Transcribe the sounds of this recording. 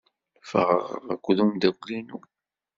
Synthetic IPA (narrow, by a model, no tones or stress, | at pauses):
fə̰ʁəʁə̰ʁækʷːðumd̪æɡʷlinu